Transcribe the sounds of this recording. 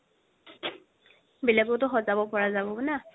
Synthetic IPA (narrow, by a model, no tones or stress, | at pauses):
bilaɡʊwtʊxɔzabɔpɔɹazabɔna